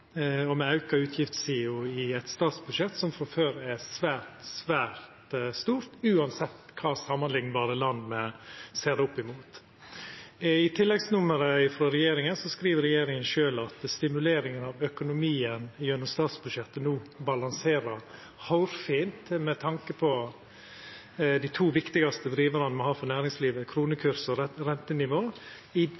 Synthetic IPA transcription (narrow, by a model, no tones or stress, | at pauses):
ɔmɛɑʉkɑʉːt̪ʰjɪft̪siːʊɪæɪt̪st̪ɑːt̪sbʉd̪ʃɛt̪ːsɔmfɾɑføːɾɛsʋæːɾt̪sʋæːɾt̪st̪uːɾt̪ʉːɑnsɛt̪ːkʰɑːsɑmːənlɪŋːbɑːɾəlɑnd̪mɛseːɾd̪ɛʊpːɪmuːt̪ | ɪt̪ʰɪlːɛɡsnʊməɾəɪfɾɑɾɛjeːɾɪŋənsɔskɾiːʋəɾɛjeːɾɪŋənʃøːlɑt̪st̪ɪmʉleːɾɪŋənɑʋœkʊnʊmiːənɪjœnɔmst̪ɑːt̪sbʉd̪ʃɛt̪ːənuːbɑlɑnseːɾəɾ | hɑʊɾfiːnt̪mɛt̪ʰɑŋkəpʰɔ | d̪ɪt̪ʰuːʋɪkt̪ɪɡɑst̪əd̪ɾiːʋəɾɑnəmɔhɑːfɔɾnæːɾɪŋsliːʋəkʰɾuːnəkʰʉɾsəɾɾɛnt̪ənɪʋoː | ɪ